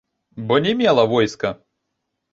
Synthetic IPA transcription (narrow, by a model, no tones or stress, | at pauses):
bɔnʲɛmʲɛlˠɐvɔjskɐ